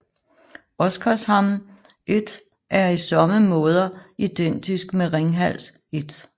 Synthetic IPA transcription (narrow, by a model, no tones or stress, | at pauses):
ɒ̽sɡ̥ʰɐshɑmn | ʔe̝d̥ | ʔæɐisɒ̽məmɔ̽ːð̞ˠɐid̥en̰d̥isɡ̥meʁeŋɦæl̰s | e̝d̥